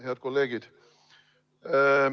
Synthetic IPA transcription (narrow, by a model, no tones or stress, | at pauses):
heæt̪̚kolːeːɡ̥id̪̥